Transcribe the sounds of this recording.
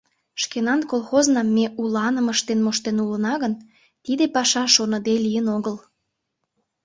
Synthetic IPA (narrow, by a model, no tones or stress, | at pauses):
ʃkenɑnkolxoznɑmːeulɑnəməʃt̪enmoʃt̪enulənɑɣən | t̪id̪epɑʃɑʃonəd̪elijənoɣəl